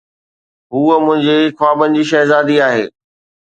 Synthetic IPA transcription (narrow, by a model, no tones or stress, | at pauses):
ɦuːəmʊ̃ɦɪ̃ɲd͡ʑeɪkʰʋaːbənd͡ʑiːʃɐɦzaːd̪iaːɦḛː